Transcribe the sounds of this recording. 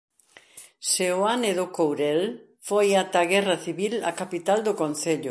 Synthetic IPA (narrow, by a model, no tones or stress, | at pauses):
seoaneðokowɾɛl | fojat̪aɣɛrɐθiβila̰kapit̪ald̪okonθeʎʊ